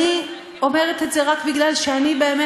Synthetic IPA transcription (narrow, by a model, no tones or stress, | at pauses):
i | o̞me̞ʁet̪etze̞ʁakbiɡlalʃeanibe̞ːme